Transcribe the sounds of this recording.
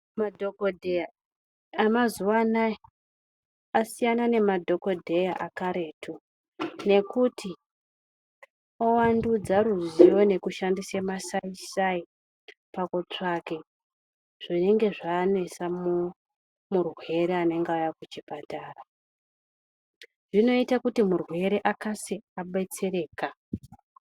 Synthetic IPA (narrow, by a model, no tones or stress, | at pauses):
madʱokodʱeja | amazuwanae | asijanane̞madʱo̞ko̞dʱe̞jaʔakaɾe̞tʰu | ne̞kutʰi | owandud͡zaɾuziwo̞ne̞kuʃandisemasaisai | pakot͡ʂake̞ | ʐ̥ine̞ŋɡe̞ʐaːne̞samu | murwe̞ɾeane̞ŋɡaojakut͡ʃipataːra | ʐino̞itakutimurwe̞ɾe̞ʔakasiaɓet͡sireːka